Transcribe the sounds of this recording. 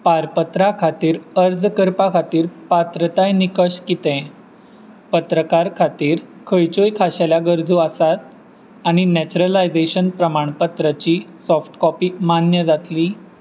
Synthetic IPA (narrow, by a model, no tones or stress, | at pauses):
paɾpət̪ɾakʰat̪iːɾəɾd͡zkəɾpakʰat̪iːɾpat̪ɾət̪ajnikəɕkit̪ɛ̃ | pət̪ɾəkaɾkʰat̪iːɾkʰəjt͡ɕojkʰaɕaljaɡəɾd͡zuasat̪̚ | aɽ̃inɛt͡ɕuɾəlajd͡zeɕənpɾəmaɳpət̪ɾət͡ɕiːsɔfʈkɔpiːmanjəd͡zat̪liː